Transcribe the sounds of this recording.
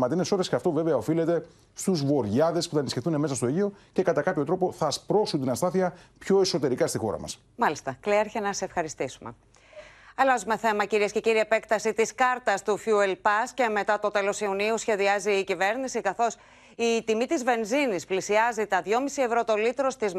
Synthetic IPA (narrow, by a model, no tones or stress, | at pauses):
mɐt̪ineso̞ɾesceɐft̪ove̞veɐo̞filet̪e̞ | st̪uzvo̞ɾʝɐðe̞spuθɐnisçeθunemesɐst̪o̞eʝio̞ce̞kɐt̪ɐkɐpçot̪ɾo̞po̞θɐspɾo̞sunt̪inɐst̪ɐθiɐpço̞e̞so̞t̪e̞ɾikɐst̪ixo̞̰ɾɐ̰mɐ̰s | mɐlist̪ɐkleeɾçenɐsefxɐɾist̪isumḛ | ɐlɐzume̞θe̞mɐciɾiesce̞ciɾiepekt̪ɐsit̪iskɐɾt̪ɐst̪ufjuelpɐsce̞me̞t̪ɐt̪o̞t̪e̞lo̞siuniusçe̞ðiɐziːcive̞ɾnisikɐθo̞s | it̪imit̪izve̞nzinisplisiɐzit̪ɐðʝo̞misie̞vɾo̞t̪o̞lit̪ɾo̞st̪iz